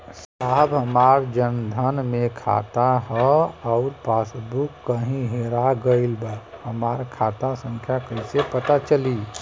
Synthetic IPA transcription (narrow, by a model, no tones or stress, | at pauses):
s | abɦəmaɾd͡ʒənd̪ʱənmekʰa̰t̪aɦɔaʊɾpasbukːəɦĩɦeɾaɡəɪlbahəmaɾkʰat̪asə̃ŋkʰjakəɪsepət̪at͡ʃəli